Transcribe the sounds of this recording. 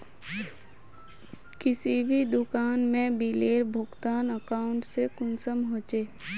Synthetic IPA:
kɪsibʱid̪ʊkaːnmẽbiːleːɾbʱʊɡt̪aːnəkaːʊ̃ɳʈsekʊnsəmɦoːt͡ʃeː

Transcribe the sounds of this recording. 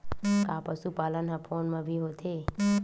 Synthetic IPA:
kapəsupalənɦãpʰoːnmãbʱiɦot̪ʰe

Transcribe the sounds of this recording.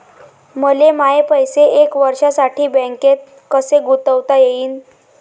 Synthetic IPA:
məlemaepəjseʔekʋəɾʂasaʈʰiːbə̃ŋket̪̚ | kəseɡut̪əʋt̪ajeiːn

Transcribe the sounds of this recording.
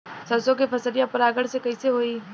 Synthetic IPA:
sɐsõkepɐsəɾijãpɐɾaːɡəɽsekɐiseɦoːiː

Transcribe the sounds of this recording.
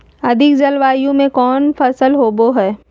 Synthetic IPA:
ɐd̪ʱɪkd͡ʒɐlʋaːjõmẽkɔːnfɐsəlɦoːboɦɛː

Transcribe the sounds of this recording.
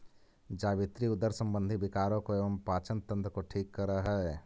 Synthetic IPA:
d͡ʒaːʋɪt̪ɾiʊd̪əɾsə̃mbə̃nd̪ʱibɪkaːɾõkoeːʋəmpaːt͡ʃənt̪ə̃nt̪ɾəkoʈʰiːkːɐɾəɦɛ

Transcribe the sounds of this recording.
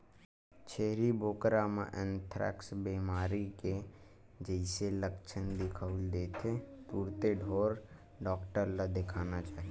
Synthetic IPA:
t͡ʃʰeɦɾibʱoːkɾamẽʔɛnt̪ʰɾɛ̰ksbimaːɾike | d͡ʒəɪseləkt͡ʃʰənd̪ɪkʰəuld̪et̪ʰet̪uːɾt̪eɖʱoːɾ | ɖɔːkʈəɾlad̪ekʰanat͡ʃaːɦi

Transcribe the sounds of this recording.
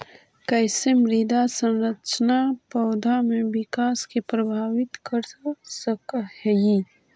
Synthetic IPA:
kɛjsemɾid̪ʱasə̃nɾət͡ʃnapɐʊd̪ʱamẽʋɪkaːskepɾɐbʱaːʋɪt̪kəɾsəkhɛji

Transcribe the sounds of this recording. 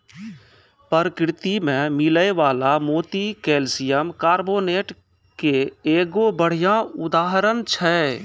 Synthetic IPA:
pəɾəkɾɪt̪imẽmɪləeʋaːlamoːt̪ikeːlsɪjəmkaːɾboːneːʈ | keeːɡobəɽ̤ijãʊd̪aːɦɾənt͡ʃʰɛ

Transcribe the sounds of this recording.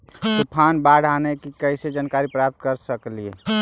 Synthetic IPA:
tupʰanbaɽ̤ʱanekikəɪsed͡ʒankaɾipɾap̚t̪kəɾsəkliḛ

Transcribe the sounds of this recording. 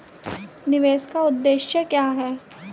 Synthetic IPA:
nɪʋeːskaʊd̪ːeːʃjəkjaːɦɛː

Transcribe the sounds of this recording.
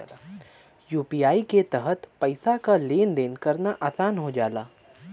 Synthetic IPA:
juːpiːaːiket̪əɦət̪pɐɪsakaleːnd̪eːnkɐɾnaʔaːsaːnɦod͡ʒaːlaː

